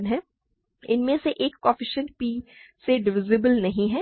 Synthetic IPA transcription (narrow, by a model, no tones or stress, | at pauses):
nɦɛː | ɪ̰nmẽseʔeːkːɔːfɪʃə̃nʈ̚piːseɖɪʋɪzɪbəlnɐɦĩɦɛː